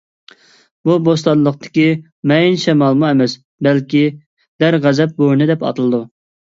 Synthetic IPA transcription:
bubos̬t̪ɑnlˠəq̚t̪ʰɪ̥kʲi | mɛjinʃɛmɑlˠmuɛmɛs | bɛlkʲi | d̪̥æɾʁæzɛp̚bonɨd̪ɛpɑ̰t̪ɨlˠɨd̪u

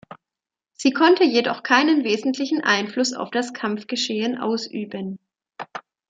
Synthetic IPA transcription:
z̥iːkʰɔntʰəjedɔχkʰaɪnənveːzn̩tʰlɪçn̩ʔa̰ɪnflʊsa̰ʊfd̥askʰamfɡ̥əʃeːənʔa̰ʊsʔyːbən

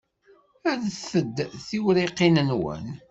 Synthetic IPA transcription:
æðθəd̪ːθiwɾiqːinənwə̰n

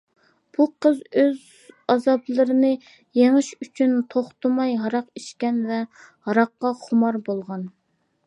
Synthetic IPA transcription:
b̥uqʰəzøz | ɑzɑblˠɨɾɨnɨ | jeŋɨʃyt͡ʃʰynt̪ʰoχt̪ʊmɑjɦɑɾɑqiʃkʲɛnvɛ | hɑɾɑqːɑχʊmɑɾbolˠʁɑn

